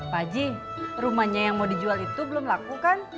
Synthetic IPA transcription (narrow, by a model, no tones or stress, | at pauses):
pad͡ʒi | rumahɲajaŋmodid͡ʒualit̪ubəlʊmlakukan